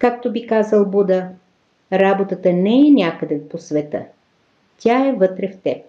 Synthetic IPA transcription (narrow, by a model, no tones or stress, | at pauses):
kak̚t̪obikazəlˠbud̪ə | ɾabot̪ət̪ənɛɛnʲakəd̪ɛposvɛt̪ə̰ | t̪ʲaɛvət̪ɾɛft̪ɛp̚